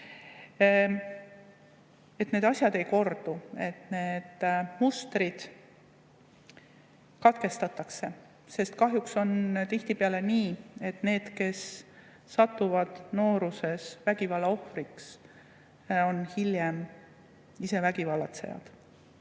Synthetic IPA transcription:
e̞t̪ːne̞d̪ɑsʲjɑd̪e̞jko̞rd̪̥ue̞t̪ne̞ːd̪̥must̪rid̪̥ | kɑt̪ke̞st̪ɑt̪ːˑɑkse̞ | se̞st̪kɑɦjukso̞nt̪iht̪ipeɑle̞niːe̞t̪ne̞ːd̪̥ke̞sː | ɑt̪ːuvɑd̪̥no̞ːɾuse̞svæɡ̥ivɑlːɑo̞hriks | o̞nhiljem | ise̞væɡ̥ivɑlːɑt̪se̞̰jɑ̰d̪̥

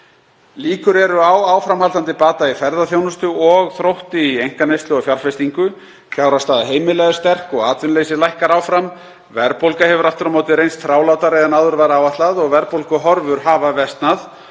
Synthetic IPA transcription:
liːkʏɾɛɾʏawaːwfɾamhalt̪ant̪ɪpaːt̪aifɛɾðaθjownʏst̪ʏɔɣθɾowht̪ɪiejŋ̥kanejst̪lʏɔɣfjaɾfest̪iŋkʏ | fjaːwɾast̪aːðaɦeːjmɪlɛɣast̪ɛr̥kɔɣaːt̪vʏnleːjsɪlajhkaɾaːwfɾam | vɛɾpowlkahɛvʏɾaft̪ʏɾamaːwt̪ɪɾejnst̪θɾaːwlawt̪aɾɛðɛnaðʏɾvaɾaːwvaht̪laðɔɣvɛɾpowlkʏɦɔɾvʏɾ̥ɦaːvavɛst̪nað

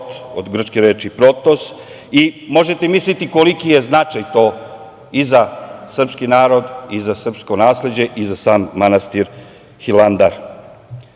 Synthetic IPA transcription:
t̪od̪ɡr̩t͡ʃkeɾeːt͡ʃipɾo̞t̪os | imo̞ʒe̞t̪emislit̪ikolikijeznat͡ʃajt̪o̞ː | izasr̩pskinaːɾo̞d̪izasr̩pskonaːsle̞d͡ʑe̞ʔizasaːmːanast̪iɾ | xiland̪aɾ

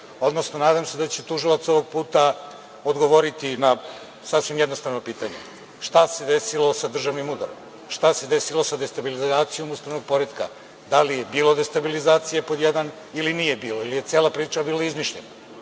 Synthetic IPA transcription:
o̞d̪no̞sno̞naːd̪amsed̪at͡ɕet̪uʒilˠat̪so̞ʋoɡ̚puːt̪a | od̪ɡo̞ʋoɾit̪ina | sasʋimjed̪no̞st̪avnopiːt̪aɲḛ | ʃt̪ase̞d̪e̞silo̞sad̪r̩ʒaʋnimud̪a̰ɾom | ʃt̪ase̞d̪esilo̞sad̪est̪abilizaːt̪sijo̞must̪aʋno̞ɡ̚po̞ɾed̪ka̰ | d̪alije̞biːlo̞d̪e̞st̪abilizaːt̪sijepo̞d̪jed̪an | ilinijebiːloilije̞t̪seːlˠapɾiːt͡ʃabiːlˠaizmiʃʎena

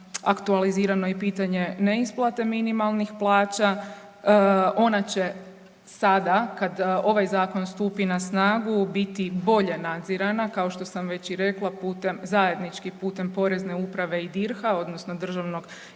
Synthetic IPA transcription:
akt̪ualiziːɾano̞ipiːt̪aɲe̞neisplˠat̪e̞minimalˠnixplˠaːt͡ʃa | o̞nat͡ɕe̞ | sad̪akad̪o̞ʋajzaːko̞nst̪uːpinasnaːɡubit̪ibo̞ʎe̞nad̪ziɾanakao̞ʃt̪o̞samʋe̞t͡ɕiɾe̞klˠapuːt̪emzaje̞d̪nit͡ʃkipuːt̪e̞mpo̞ɾe̞zne̞upɾaʋe̞id̪iɾxao̞d̪nosno̞d̪r̩ʒaʋno̞ɡ

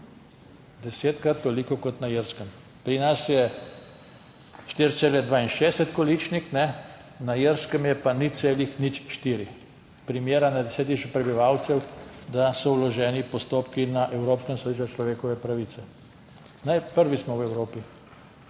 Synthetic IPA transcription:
d̪ɛseːt̪kɾat̪ːolikɔkɔt̪najiɾskəm | pɾinasjɛ | ʃt̪iɾt̪seːlɛd̪ʋaːinʃɛːsɛt̪kɔlit͡ʃnixnɛ | najiɾskəmjɛpaniseːlixnit͡ʃʃt̪iːɾi | pɾimjeːɾanad̪ɛsɛːt̪̬iʃpɾɛbiʋawt̪sɛwd̪asɔwlɔʒɛːnipɔst̪oːpkinaʔɛwɾoːpskəmsad̪iʃt͡ʃɔt͡ʃlɔʋeːkɔʋɛpɾaʋiːt̪sɛ | najpəɾʋismɔwɛwɾoːpi

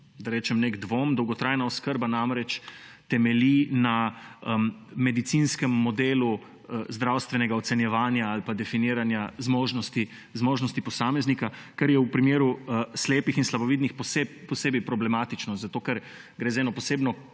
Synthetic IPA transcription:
d̪aɾɛːt͡ʃɛmneɡd̪ʋomd̪ɔwɡɔt̪ɾaːjnaɔskəɾbanamɾɛt͡ʃt̪ɛmɛlina | mɛd̪it̪sinskɛmːɔd̪eːlu | zd̪ɾawst̪ʋɛnɛɡaɔsɛnjɛʋaːnjaːlpad̪ɛfiniːɾanjazmoːʒnɔst̪i | zmoːʒnɔst̪ipɔsaːmɛznikakaɾjɛwpɾimeːɾusleːpixinslaboʋid̪nixpsepɔseːbɛjpɾɔblɛmat̪it͡ʃnɔzat̪oːkɛɾ | ɡɾeːzaɛːnɔpɔseːbnɔ

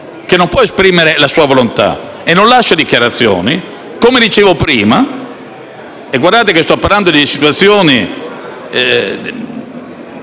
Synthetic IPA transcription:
kenːompwɔespɾiːmeɾelasuːavolont̪a̰ | enːonlaʃːad̪ikjaɾat̪sːjo̰ːni | komed̪it͡ʃeːvopɾiːma | eɡwaɾrd̪aːt̪ekest̪ɔpːaɾland̪od̪isit̪uwat̪sːjoːni | ɛ

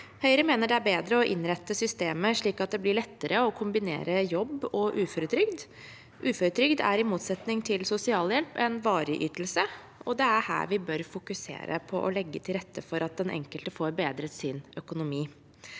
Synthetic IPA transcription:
hœʏɾəmeːnəɖɛæɾbeːd̪ɾəɔʔɪnɾɛt̪ːəsʏst̪eːməʂɭiːkɑt̪̚d̪ɛblɪɭɛt̪ːəɾəɔkʰʊmbɪnḛːɾəjɔbːɔʔʉːfɔɾət̪ʰɾʏɡd̪ | ʔʉːfɔɾət̪ʰɾʏɡd̪æ̰ɾɪmuːt̪sɛt̪nɪŋt̪ʰɪlsʊsɪɑːljɛlpɛnʋɑːɾəʔyːt̪l̩sə | ɔd̪ɛæɾhæ̰ːɾʋɪbœɾfʊkʉsḛːɾə̰pʰɔʔɔlɛɡːət̪ʰɪlɾɛt̪ʰːəfɔɾɑt̪̚d̪ɛnʔɛ̰ŋkəlt̪əfoːɾbeːd̪ɾət̪sɪnœkʊnʊmiː

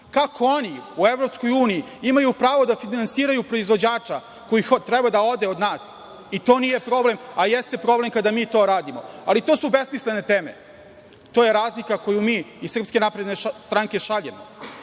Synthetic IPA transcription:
kakʰo̞oniuevɾo̞psko̞juːnii | imajupɾaːʋo̞d̪afinansiːɾajupɾo̞izvʋo̞d͡ʑaːt͡ʃa | ko̞jixot̪ɾebad̪ao̞d̪eo̞d̪naːs | it̪o̞ːnije̞pɾo̞ble̞majest̪e̞pɾo̞ble̞mkad̪amiːt̪o̞ːɾaːd̪imo̞alit̪o̞ːsubesmisle̞ne̞t̪eːme̞̰ | t̪ojeɾaːzlikako̞jumiːsr̩pske̞napɾed̪nest̪ɾaŋke̞ʃaʎemo̰

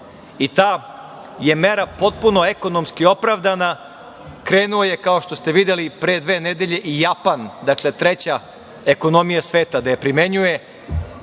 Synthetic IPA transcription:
it̪aː | je̞me̞ɾapo̞t̪̚puno̞eko̞no̞mskio̞pɾaʋd̪ana | kɾe̞ːnulojekao̞ʃt̪o̞st̪e̞ʋid̪jelipɾeːd̪ʋe̞ːned̪e̞ʎe̞ʔijapand̪akle̞t̪ɾet͡ɕa | eko̞no̞mijasʋe̞ːt̪ad̪ajepɾime̞ɲuje̞

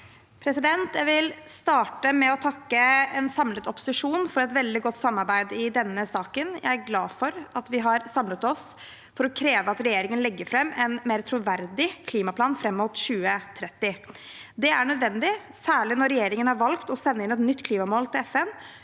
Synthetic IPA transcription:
pʰɾɛsɪd̪ɛnt̪jæɪʋɪlst̪ɑːʈəmɛɔt̪ʰɑkːəɛnsɑmlət̪ɔpʊ̥sɪʂuːnfɔɾɛt̪ʋɛld̪ɪɡɔt̪ːsɑmːɑɾbæɪd̪ɪd̪ɛnːəsɑːkənjæ̰ɪæɾɡlɑːfɔɾɑt̪ʋɪɦɑɾsɑmlət̪ɔs | fɔɾɔkʰɾeːʋəɑt̪ɾɛjeːɾɪŋənlɛɡːəɾfɾɛmːɛnmeːɾt̪ʰɾʊʋæɾd̪ɪkʰliːmɑpʰlɑːnfɾɛmːuːt̪ɕʉːət̪ʰɾɛt̪ːɪd̪ɛæɳœd̪ʋɛnd̪ɪsæːɭɪnɔɾɛjeːɾɪŋənhɑɾʋɑlkt̪ɔsɛnːəɪnɛt̪nʏt̪ːkʰliːmɑmoːlt̪ʰɪlɛfɛm

